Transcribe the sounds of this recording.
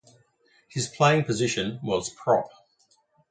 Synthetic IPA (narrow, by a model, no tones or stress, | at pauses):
hɪz̥pʰl̥eɪɪ̃ŋpʰəzɪʃə̃nwɒz̥pʰɹ̥ɒp